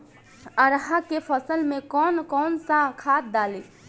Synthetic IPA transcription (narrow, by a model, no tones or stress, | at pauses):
əɾɦakepʰəsəlmekɔnkɔnsakʰat̪̚d̪ali